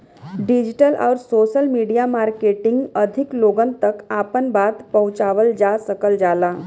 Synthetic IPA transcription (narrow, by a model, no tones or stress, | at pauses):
ɖɪd͡ʒɪʈəlʔɔ̰ːɾsoːʃəlmiːɖijamaːɾkeːʈɪ̃ŋɡəd̪ʱɪkloːɡənt̪əkaːpənbaːt̪pɐɦʊ̃t͡ʃaːʋəld͡ʒaːsəkəld͡ʒaːlaː